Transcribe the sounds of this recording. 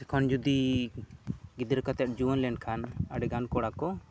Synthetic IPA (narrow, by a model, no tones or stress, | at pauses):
ɛkʰɔnd͡ʒud̪i | ɡid̪ɾɛkat̪ɛʔ̚d͡ʒuɔnlɛɳɖkʰanaɖɛɡankɔɽakɔ